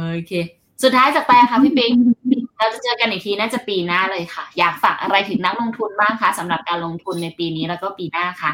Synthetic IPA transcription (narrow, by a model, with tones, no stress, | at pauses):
ʔoː˧kʰeː˧ | su˨˩t̪̚ʰːaː˦˥jt͡ɕaː˨˩pa˧ja˨˩kʰa˦˥pʰiː˥˩pi˧ŋi˧ɾɛː˧˦˥wt͡ɕa˨˩t͡ɕɤː˧ka˧nji˨˩t̪ʰiː˧naː˥˩t͡ɕa˨˩piː˧naː˥˩lɤː˧jkʰa˥˩jaː˨˩k̚faː˨˩k̚ʔa˧ɾa˧jt̪ʰɯ˩˦ŋna˦˥k̚lo˧ŋt̪ʰu˧nbaː˥˩ŋkʰa˦˥˩sa˩˦mɾa˨˩p̚kaː˧nlo˧ŋt̪ʰu˧nːa˧jpiː˧niː˦˥ɾɛ˦˥wkɔː˥˩piː˧naː˥˩kʰa˦˥˩